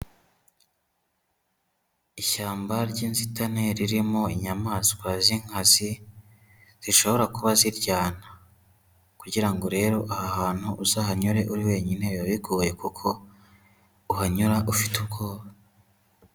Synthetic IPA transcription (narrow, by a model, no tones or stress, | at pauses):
iʃaːmbaɾɟiːnzitane̞ɾiɾimo̞iɲamaːskwaziŋ̥hazi | z̥iʃo̞βo̞ɾakuβaziɾɟaːna | kuɟiɾaŋɡo̞ɾe̞ːɾo̞ʔahahaːn̥huʔuzahaɲuɾe̞ʔuɾiwe̞ːɲine̞βaβiɡuje̞kukʰo̞ | uhaɲuɾaʔufi̥tuɡoːβa